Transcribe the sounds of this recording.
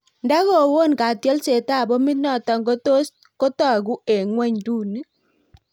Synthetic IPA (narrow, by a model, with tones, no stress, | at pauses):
nda˦ɣo˦˨wo˦˨nka˨tjɔ˦lse˨ta˦˨bo˦mi˦t̚nɔ˦˨tɔ˨ŋɡo˦to˦s | ko˦tɔ˦˨ɡu˦e˨ŋwɛ˦ɲdu˦˨ni˦